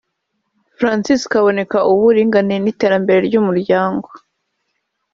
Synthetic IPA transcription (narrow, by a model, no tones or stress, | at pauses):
fɾansiskaβo̞ne̞kaʔuβuɾiːŋɡaninite̞ːɾambe̞ɾe̞ɾɟumuɾɟaːŋɡo̞